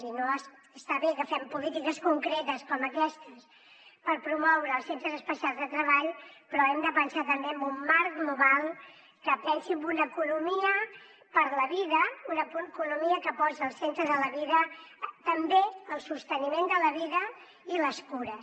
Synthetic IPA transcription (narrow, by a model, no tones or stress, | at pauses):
inoəsəst̪aβekəfɛmpulit̪ikəskuŋkɾet̪əskɔməkɛst̪əs | pəɾpɾumɔwɾəːlˠsent̪ɾəzəspəsialˠzðət̪ɾəβaʎpɾɔɛmd̪əpənsat̪əmbeəmbumːaɾkmuβalˠ | kəpɛnsimbunəkunumiə | pəɾləβiðəunəkukunumiəkəpɔzəːlˠsent̪ɾəðələβiðət̪əmbeəlˠsust̪ənimend̪ələβ̞iðə | iləskuɾə